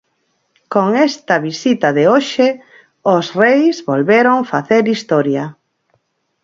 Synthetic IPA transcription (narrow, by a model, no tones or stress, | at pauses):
koŋest̪ɐβisit̪ɐðeoʃe | osrejzβolβeɾoŋfaθeɾist̪ɔɾjɐ